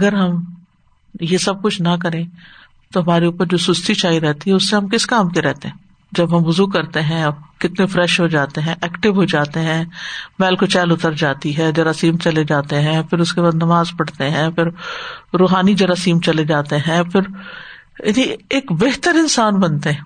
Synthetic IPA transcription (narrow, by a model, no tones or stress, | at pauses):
ɐɡəɾɦɐm | jesɐb̚kʊt͡ʃʰnɐk̬ɐɾẽː | t̪oɦɐmaːɾeuːpəɾd͡ʒoːsʊst̪ʰit͡ʃaːiɾɛɦt̪iɦɛʊsːeɦɐmkɪskaːmkeɾɛɦt̪eɦɛ̃ | d͡ʒɐbɦɐmʋʊzukɐɾt̪eɦɛ̃ɐbkɪt̪nefɾɛːʃɦod͡ʒaːt̪eɦɛ̃ʔɛːkʈɪʋɦod͡ʒaːt̪eɦɛ̃mɛːlkot͡ʃɛːlʊt̪əɾd͡ʒaːt̪iɦɛd͡ʒɐɾasiːmt͡ʃɐled͡ʒaːt̪eɦɛ̃pʰɪɾʊskebaːd̪nɐmaːzpɐɽ̤t̪eɦɛ̃ːfɪɾɾoːɦaːnid͡ʒɐɾaːsiːmt͡ʃɐled͡ʒaːt̪eɦɛ̃pʰɪɾ | jɐnieːkbeːɦt̪əɾɪ̃nsaːnbɐnt̪eɦɛ̃ː